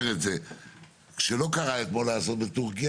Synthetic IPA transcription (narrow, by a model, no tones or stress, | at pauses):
ʁetze | kʃelo̞kaʁaet̪mo̞laːso̞t̪̚betuʁkija